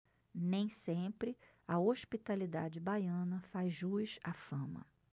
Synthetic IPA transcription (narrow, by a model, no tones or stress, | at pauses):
nẽj̃sẽpɾɪ | ɐoʃpit̪alid̪ad͡ʒɪbajɐ̃nɐfajzʒuiʃafɐ̃mɐ̰